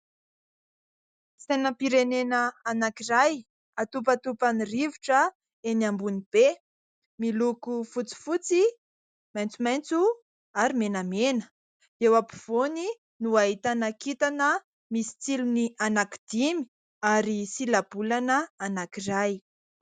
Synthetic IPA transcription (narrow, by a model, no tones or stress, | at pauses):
senəpiɾenenəanakiɾaj | at̪up̬at̪upaniriviʈ͡ʂə | enambunib̥e | milukufut͡si̥fut͡si | majnt͡sumajnt͡su | aɾimenamenə | ewapi̥v̥oni | nuaɦit̪anakit̪anə | misi̥t͡silunianaki̥d̪̥imi̥ | aɾisilab̥ulanəanakiraj